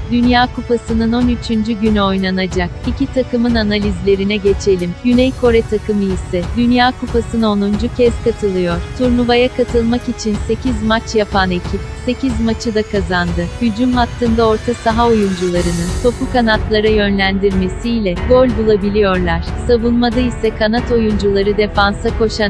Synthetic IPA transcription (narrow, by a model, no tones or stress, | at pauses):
d̪ynjaːkʰupasɯnɯno̞nyt͡ʃʰynd͡ʒyɟynyo̞jnanad͡ʒak̚icʰit̪ʰakɯmɯnanalʲizlʲe̞ɾinɛɟe̞t͡ʃʰe̞lʲimɟynɛjkʰo̞ɾɛt̪ʰakɯmɯisɛd̪ynjaːkʰupasɯnao̞nund͡ʒucʰɛzkʰat̪ʰɯlˠɯjo̞ɾ̥t̪ʰuɾnuvajakʰat̪ʰɯlˠmakit͡ʃʰinse̞cʰizmat͡ʃjapʰane̞cʰip̚se̞cʰizmat͡ʃʰɯd̪akʰazand̪ɯhyd͡ʒumɦat̪ːɯnd̪ao̞ɾt̪ʰasaɦaojund͡ʒulˠaɾɯnɯnt̪o̞pukanat̪lˠaɾajø̞nlʲænd̪iɾme̞siːlʲɛɡo̞lʲbulˠabilʲijo̞ɾlˠaɾ̥savunmad̪aisɛkʰanat̪o̞jund͡ʒulˠaɾɯd̪e̞fansako̞ʃa